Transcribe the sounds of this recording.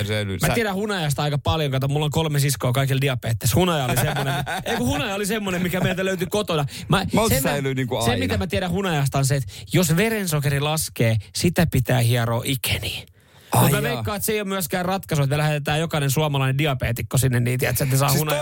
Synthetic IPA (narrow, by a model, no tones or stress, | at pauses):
semæt̪iæɾæhunɑjɑst̪ɑikɑpɑljoŋkɑˑot̪ːɑmulːoŋkolmesiskoːkɑikildiɑpeːt̪ːeshunɑjɑolisemmːoneeikuhunɑjɑolisemːonemmikæmeilt̪æløyt̪ykot̪onɑmɑsesæilyniŋkusemit̪æmæt̪iɛɾæhunɑjɑst̪ɑnseet̪josʋeɾensokerilɑskeːsit̪æpit̪æːhiɑroːʔikʰe̥niː | kummyæʋeikːɑːet̪seijomyæskæːrɑt̪kɑsuet̪mælæhet̪et̪æːjokɑinensuɑmɑlɑinediɑpeːt̪ikːosinːenniːt̪iæt̪set̪nesɑːunɑ